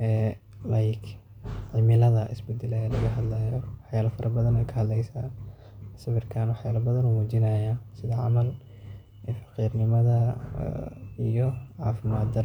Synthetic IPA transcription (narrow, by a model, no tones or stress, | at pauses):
ʔɛː | lɐjk | ʕɪmɪlɐðɐʔɪ̰sbɛd̪ɛlɛjɐlɐɣɐɦɐd̪laːjɔwɑħjaːlɐfɐɾʔɐbɐðɐnɛjkʰɐhɐd̪lɛjsaː | sɐβɪrkʰaːnwɑħjaːlɐbɐðɐnumuːt͡ʃɪnɐːjasɪðɐʕɑ̰mɐl | ɛfɑ̥qiːrnɪmɐðɐ̰ | ijɔʕɑːfɪmaːd̪d̪ɐɾ